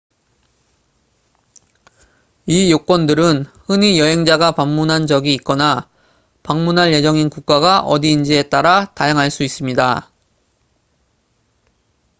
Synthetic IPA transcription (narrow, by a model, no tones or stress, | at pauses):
ijok͈wʌndɯɾɯnhɯnijʌɦe̞ŋd͡ʑaɡapamːunɦand͡ʑʌɡiːk͈ʌna | paŋmunɦanje̞d͡ʑʌŋinkuk̚k͈aɡaʔʌdiːnd͡ʑie̞t͈aɾatajaŋɦaɭs͈uis͈ɯmɲida